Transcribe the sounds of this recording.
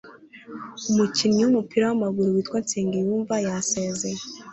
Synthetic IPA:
umuciniwumupiːɾawamaɡuɾuwiːtwant͡siːŋɡijuːɱvajaseːzeje

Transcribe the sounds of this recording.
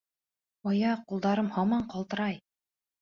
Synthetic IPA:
ɑjɑqulˠd̪ɑɾɤmhɑmɑɴqɑlˠt̪ɤ̆ɾɑj

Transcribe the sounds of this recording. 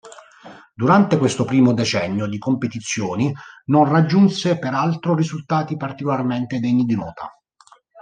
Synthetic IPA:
d̪uɾant̪ekwest̪opɾiːmod̪et͡ʃɛɲːjod̪ikompet̪it̪sːjoːninonrad͡ʒːunsepeɾalt̪ɾorizult̪aːt̪ipart̪ikolarment̪ed̪eɲːid̪inɔːt̪a̰

